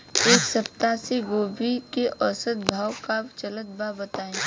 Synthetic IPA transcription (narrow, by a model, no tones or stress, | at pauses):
eːksɐpt̪aseɡoːbikeʔɔsət̪bʱaːwkat͡ʃələt̪̚baːbət̪aːẽː